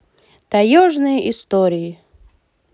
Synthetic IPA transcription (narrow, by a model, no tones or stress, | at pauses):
t̪ajɔʐnɨjʔist̪ɔɾʲii